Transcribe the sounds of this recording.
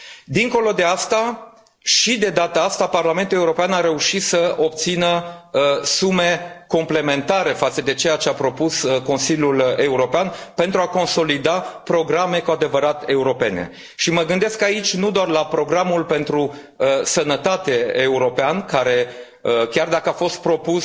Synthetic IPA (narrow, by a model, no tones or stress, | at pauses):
d̪iŋko̞lo̞d̪e̞ast̪a | ʃid̪e̞d̪at̪əast̪aparlame̞nt̪ule̞uɾo̞peanaɾe̞uʃit̪səo̞p̚t̪sinə | sume̞komple̞me̞nt̪aɾe̞fat̪səd̪e̞t͡ʃe̞jat͡ʃe̞apɾo̞pusko̞nsilʲjule̞uɾo̞peanpe̞nt̪ɾuako̞nso̞lid̪apɾo̞ɡɾame̞kuad̪e̞vəɾat̪e̞uɾo̞pe̞nḛ | ʃiməɡɨnd̪e̞skait͡ʃʲnud̪oarlapɾo̞ɡɾamulpe̞nt̪ɾu | əsənət̪at̪e̞euɾo̞peankaɾe̞ | əkʲard̪akəafo̞st̪̚pɾo̞pus